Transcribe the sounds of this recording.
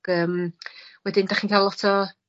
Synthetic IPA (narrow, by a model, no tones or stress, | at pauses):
ɡ̥əːmwɛdɪndaχiːnkʰajlˠɔtʰɔ